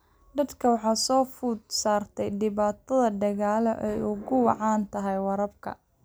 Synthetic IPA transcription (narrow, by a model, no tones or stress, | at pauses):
d̪ɐd̪kʰɐwɑħɑːsɔːfuːd̪saːrt̪ʰɛjɖɪβaːt̪ʰɐðɐɖɐɣaːlɔʔɛjʊɣʊwɑ̰ʕɑːnt̪ʰɐɦɛjwɑɾɐb̚kʰɐ̰